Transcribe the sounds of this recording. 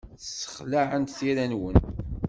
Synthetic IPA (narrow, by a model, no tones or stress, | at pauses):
θsːə̥χlaʕənt̪θiɾænwən